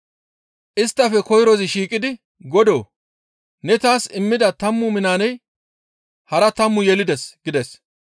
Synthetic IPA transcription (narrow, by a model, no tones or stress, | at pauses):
ʔɪst̪ːɐfɛkɔjɾɔzɪʃiːkʼɪd̪ɪ | ɡɔd̪o̰ː | nɛt̪aːsɪmːɪd̪ɐt̪ɐmːʊmɪnaːnɛj | hɐɾɐt̪ɐmːʊjɛlɪd̪ɛsɡɪd̪ɛs